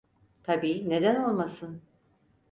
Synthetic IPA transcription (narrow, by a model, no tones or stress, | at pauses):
t̪ʰabiːne̞d̪æno̞lˠmasɯn